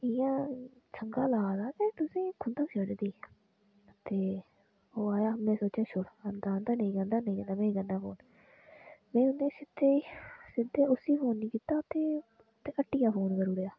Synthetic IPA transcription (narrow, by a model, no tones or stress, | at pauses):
ɪjãː | t͡ʃʰəŋɡaːlaːd̪aːt̪ẽːt̪ʊsĩːkʰʊnd̪aːsəd͡ʒd̪iː | t̪eː | oːaːjaːmɛ̃ːsoːt͡ʃjaːt͡ʃʰʊɽənd̪aːnd̪aːnĩːɡə̃nd̪aːnəĩːɡənd̪aːmɛ̃ːɡənːaːpo̰ːn | mɛ̃ːʊnẽːsɪd̪eːsɪd̪eːʊsiːpʰoːnːĩːkiːt̪aːt̪eː | t̪eːəʈːijaːpʰoːnkəɾuːɽjaː